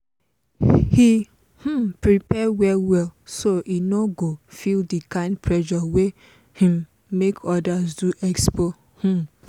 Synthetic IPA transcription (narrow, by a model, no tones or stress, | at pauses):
hi | h̩pɹipɛwɛwɛlsoʔinoɡofildikãɪ̃ndpʰɹɛʃɔwe | hĩmː | ekʰɔdazduʔɛkspo | h̩